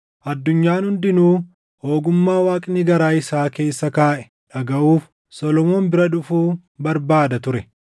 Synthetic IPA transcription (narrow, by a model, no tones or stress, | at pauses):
ʔɐd̪ːʊɲːaːnhʊnd̪ɪnuː | ho̞ːɡʊmːaːwaːkʼɪniːɡɐɾaːɪsaːke̞ːsːɐkaːʔɛ̥ | ᶑɐɡɐʔuːf | sɔlɔmoːnbɪɾɐᶑʊfuː | bɐɾbaːd̪ɐt̪ʊɾɛ